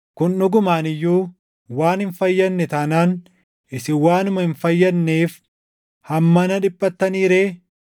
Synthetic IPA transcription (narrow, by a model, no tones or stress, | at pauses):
kʊnnʊɡʊmaːnɪjːuː | waːnhɪnfɐjːɐnːɛt̪ɐnaːn | ʔɪsɪwaːnʊmɐhɪnfɐjːɐnːeːf | hɐmːɐnɐᶑɪpʼːɐt̪ːɐniːɾeː